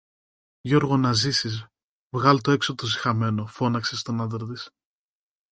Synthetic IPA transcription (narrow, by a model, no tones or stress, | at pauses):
ʝo̞ɾɣo̞nɐzisiz̬ | vɣɐlt̪o̞e̞ksot̪ozi̥xɐme̞no̞fo̞nɐkse̞st̪o̞nɐd̪ɾt̪̬is